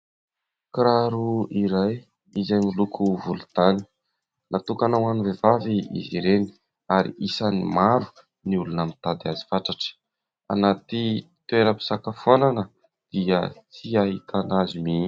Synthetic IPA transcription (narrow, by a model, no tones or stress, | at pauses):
kɾaɾuiɾaj | izajmilukʰuvulu̥t̪ani̥ | nʔat̪ukanawanuvevaviḭziɾeni̥ | aɾḭisanimaɾu̥ | niulunamint̪ad̪azi̥faʈ͡ʂaʈ͡ʂə̥ | a̰nat̪it̪ueɾəpi̥sakafonanə | d̪̥iət͡siaɦit̪ʰanazimi